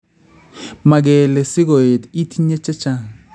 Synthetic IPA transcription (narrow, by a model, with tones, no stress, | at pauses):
ma˨k̬ɛ˨lɛ˨si˦k̬o˨e˨ti˦tʰi˦ɲɛ˦t͡ʃɛ˦t͡ʃa˦ŋ